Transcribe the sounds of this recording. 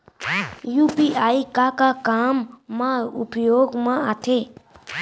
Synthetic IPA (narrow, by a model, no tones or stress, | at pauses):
jupiaikakakamːãupjoɡmaat̪ʰe